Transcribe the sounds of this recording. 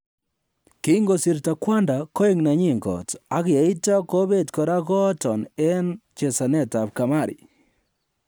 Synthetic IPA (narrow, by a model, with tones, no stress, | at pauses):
ki˦ŋɡo˨si˨ɾta˨kwa˦nda˨ko˦e˦˨ŋna˨ɲi˦ŋɡɔ̰˨ta˨˦ke˨i˦tɔ˦ko˦be˦˨tkɔ˨ɾa˦kɔ˦tɔ˨nɛ˦nt͡ʃe˨sa˨nɛ˦˨ta˨p̚ka˨ma˦˨ɾḭ˨